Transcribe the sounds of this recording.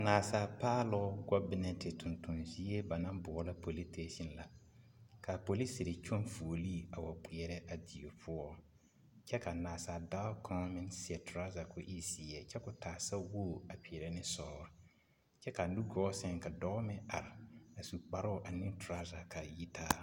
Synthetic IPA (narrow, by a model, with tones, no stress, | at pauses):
a˨naː˨saː˨˦paː˦lɔ˦ɡɔ˦bɪ˦nɛ˨tɪ˨tʊ̃˨ntʊ˨nzi˦e˦ba˨nã˦mbɔ˨ɔ˨la˦po˨li˦tʰe˦ʃi˦nla̰˨ | ka˨po˨li˦si˨ɾe˨t͡ʃo˦nfu˨o˨li˦˨a˨wa˨k͡pɪ˨ɛ˨ɾɛ˦ʔa˨di˨o˨pʰʊ˦ɔ˦ | t͡ʃɛ˦ka˨naː˨saː˨da˦kʰɔ˦mɪ̃˦nsɪ˦ɛ˨tʊ˨ɾa˦za˨kʊ˦ʔi˦si˨ɛ˦˨t͡ʃɛ˦kʊ˨taː˨sa˦wo˦˨a˨pi˨ɛ˨ɾɛ˨nɪ˦sɔː˨ɾɪ˨ | t͡ʃɛ˦ka˨nu˦ɡɔ˦sɛ˦ŋka˨dɔ˦mɪ˦a˨ɾɪ˨a˨su˨k͡pa˨ɾʊ˦˨ʔa˨nɪ˦tɾa˦za˨kʰa˨ji˦tʰaː˦